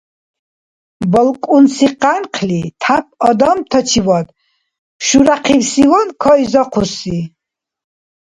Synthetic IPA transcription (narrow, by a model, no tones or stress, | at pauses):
bəlkʼunsiqanqʰlit̪ʰapʰɔd̪amt̪ʰɔt͡ʃʰivɔd̪ | pʃuɾaqʰiwsivɔnkʰɔizɔqʰusi